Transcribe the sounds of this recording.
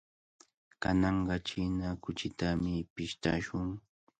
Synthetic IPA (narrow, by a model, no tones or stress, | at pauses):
ka̰nɑɴɢɑt͡ʃɪnakʊt͡ʃɪt̪amɪpɪʃt̪a̰ʃʊŋ